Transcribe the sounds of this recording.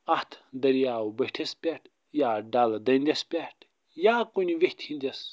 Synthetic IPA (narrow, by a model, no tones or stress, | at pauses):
ɐht̪ʰd̪ɐɾijaːwbɐʈʰespʲaʈʰ | jaːɖaːlɐd̪ɐnd̪ʲespʲaʈʰ | jaːkuniʋeht̪ʰhĩnd̪ʲes